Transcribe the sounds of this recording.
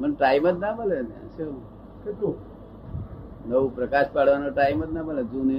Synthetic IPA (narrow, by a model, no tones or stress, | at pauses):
pəɳʈaimət̪̚nabəlenã̰ʃu | nəʋupɾəkaʃpaɽʋanoʈaimət̪̚nabəled͡ʒuni